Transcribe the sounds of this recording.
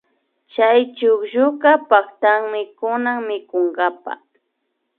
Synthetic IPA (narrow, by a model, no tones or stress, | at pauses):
t͡ʃajt͡ʃʊkʒʊɢɑpakt̪aŋmɪkʊnaŋmɪkoɴɢapa̰